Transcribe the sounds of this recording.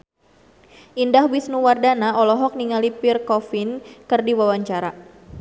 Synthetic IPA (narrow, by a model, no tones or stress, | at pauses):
ʔindahbisnuwardanaɔlɔɦɔk̚niŋalipirkɔfiɪnkərdiwawaɲt͡ʃaɾa